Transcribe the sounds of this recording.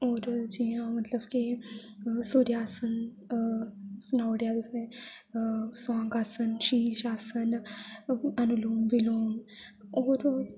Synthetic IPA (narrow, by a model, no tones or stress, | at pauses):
oːɾd͡ʒiːãmɐt̪ləbki | soɾjaːsən | snaːwɽjaːd̪ɐsẽ | swãːŋɡaːsənʃiːd͡ʒaːsən | ɐnuluːmbiloːnoːɾ